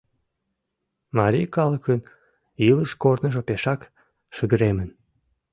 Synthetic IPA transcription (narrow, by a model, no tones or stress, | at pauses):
mɑɾʲijkɑləkən | iləʃkornəʒopeʃɑk | ʃəɣəɾemən